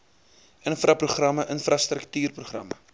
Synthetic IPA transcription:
ʔənfrɐpruχrɐməʔənfrɐst̪rəktyːrpruχrɐ̰mə

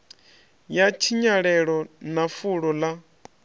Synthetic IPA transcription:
jat͡ʃʰiɲaɺɛɺɔnafuɺɔla

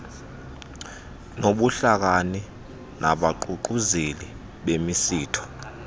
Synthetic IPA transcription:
noɓuɬak̬ani | nʔa̰ɓaǃuǃuzeli | ɓemisiːtʰɔ̥

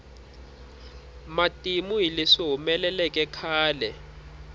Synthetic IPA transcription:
matʼimuɦileʂiɦumɛlɛlɛkʼɛkʰaːlɛ

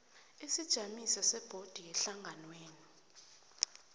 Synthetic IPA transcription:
isid̥ʒ̥ʱamisasɛb̥ʱod̥ʱiɛɬaŋɡʱanweːni

